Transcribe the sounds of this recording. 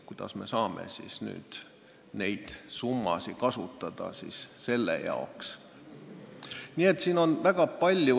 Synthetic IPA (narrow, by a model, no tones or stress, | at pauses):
kujd̪̥ɑsme̞sɑːmḛsḭsny̰ːd̪̥ | ne̞jd̪̥sumːɑ̰sikɑsut̪ːˑɑd̪̥ɑ̰sisse̞lːḛjɑ̰oks | niːe̞t̪ːsiːno̞nvæɡ̥ɑpɑlʲju